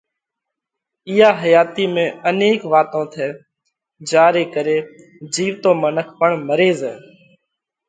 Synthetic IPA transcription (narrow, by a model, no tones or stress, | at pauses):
ɪːaːɦəjaːt̪iːmẽːəneːkʋaːt̪õːt̪ʰɛː | d͡ʒaːɾeːkəɾeː | d͡ʒiːʋt̪õːmənəkʰpəɳməɾeːzɛː